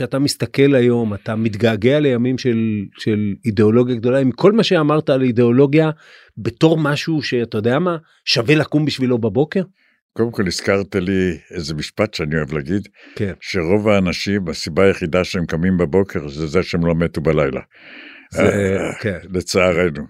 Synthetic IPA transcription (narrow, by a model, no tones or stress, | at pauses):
ʃeat̪amist̪ake̞lajo̞mat̪amit̪ɡaːɡe̞ale̞jamimʃe̞lʃelid̪e̞o̞lo̞ɡjaɡd̪o̞laimkʰo̞lmaʃe̞amaʁt̪aːlid̪e̞o̞lo̞ɡja | be̞to̞ʁmaʃuʃe̞at̪ajod̪eama | ʃavelakumbiʃvilo̞babo̞keʁ | kodemko̞liskaʁt̪iliezemiʃpat̪ʃeanio̞evlaɡid̪kenʃeʁo̞vaːnaʃimasibaːjeχid̪aʃeemkamimbabo̞kʰe̞ʁzezeʃeemlomet̪ubalajla̰ | zekenlet͡saaʁejnu